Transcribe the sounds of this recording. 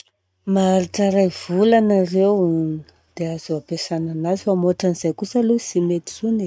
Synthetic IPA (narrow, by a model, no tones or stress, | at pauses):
maaɾiʈ͡ʂəɾajv̥ulanarewnə̥ | d̪̥eazoapesananazifamoʈ͡ʂanizajkusəlusimet̪i̥zune